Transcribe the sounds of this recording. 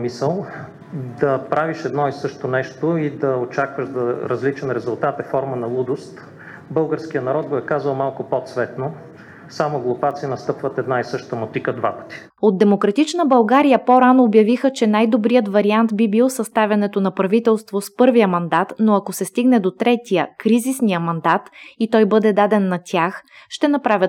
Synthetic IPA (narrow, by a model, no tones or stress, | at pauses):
misəlˠ | d̪ɐpɾaviʃɛd̪nɔisɤʃt̪onɛʃt̪oid̪ɐot͡ʃakvəʃd̪ɐɾɐzlit͡ʃɛnɾɛzʊlˠt̪at̪ɛfɔɾmənɐlˠud̪ost̪ | bɤlˠɡəɾskijənɐɾɔd̪̚ɡoɛkazvɐlˠmalˠkopot̪svɛt̪no | samoɡlˠopat̪sijənɐst̪ɤpvət̪ɛd̪naisɤʃt̪əmot̪ikəd̪vapə̥t̪i̥ | od̪d̪ɛmokɾɐt̪it͡ʃnəbɐlˠɡaɾijəpoɾanoːbjɐvixət͡ʃɛnajd̪obɾijət̪vɐɾiant̪bibilˠosɐst̪avʲɐnɛt̪onɐpɾɐvit̪ɛlˠst̪vospɤɾvijəmɐnd̪at̪noɐkosɛst̪iɡnɛd̪ot̪ɾɛt̪ijəkɾizisnijəmɐnd̪at̪it̪ɔjbɤd̪ɛd̪ad̪ɛnːɐt̪ʲjaxʃt̪ɛnɐpɾavʲət̪